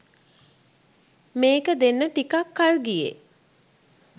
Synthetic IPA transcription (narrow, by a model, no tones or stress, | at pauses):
meːkəd̪enːəʈikakːalɡijḛ